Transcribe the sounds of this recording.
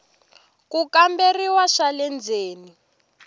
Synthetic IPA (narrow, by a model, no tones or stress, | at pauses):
kukamberiwaʃalɛnd͡zeːni